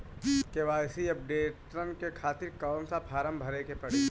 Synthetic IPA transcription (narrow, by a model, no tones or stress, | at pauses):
keʋaːjsiɐp̚ɖeːʈɾənkekʰaːt̪ɪɾkaːnsapʰaːɾəmbʱɐɾekepɐɽeː